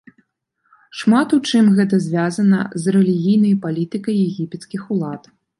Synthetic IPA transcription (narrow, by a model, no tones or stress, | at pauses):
ʂmat̪ut͡ʂɨmɣɛt̪̬ɐzʲvʲazɐnɐ̰zrɛlʲiɣʲijnɐjpalʲit̪ɨkɐjːɛɣʲipʲɛt̪skʲixulˠat̪